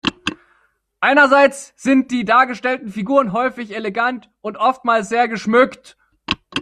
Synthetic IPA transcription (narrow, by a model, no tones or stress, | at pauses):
ʔaɪnɐzaɪt͡sz̥ɪnt̚d̥iːdaːɐɡəʃtɛltn̩fiɡuːʁ̞ənɦɔʏfɪçeleɡant | ʔʊntʔɔftmaːls̬z̥eːɐɡəʃmʏkt